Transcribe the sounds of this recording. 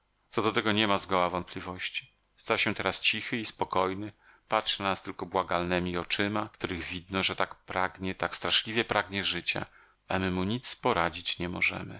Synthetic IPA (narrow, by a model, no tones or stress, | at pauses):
t̪sɔd̪ɔt̪ɛɡɔɲɛmazɡɔwavɔnt̪̚pʲlʲivɔɕt͡ɕi̥ | st̪aɕɛ̃t̪ɛɾast͡ɕixɘispɔkɔjnɘ | patʂnast̪ɘlkɔbwaɡalnɛmʲiɔt͡ʂɘmakt̪uɾɘɣvʲid̪nɔʐɛt̪akpɾaɡɲɛt̪akst̪ɾaʂlʲivʲjɛpɾʔaɡɲɛʐɘt͡ɕa̰ | amɘmuɲit̪spɔɾad͡ʑit͡ɕɲɛmɔʐɛ̰mɘ̰